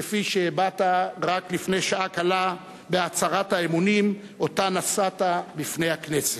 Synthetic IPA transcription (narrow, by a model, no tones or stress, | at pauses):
efiʃebataʁaklifnejʃaakala | beat͡saʁathaemunim | o̞tanasatabifne̞jhaknese